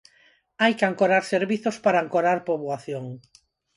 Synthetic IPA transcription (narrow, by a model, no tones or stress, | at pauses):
ajkeaŋkoɾaɾseɾβiθospaɾaaŋkoɾaɾpoβwaθjoŋ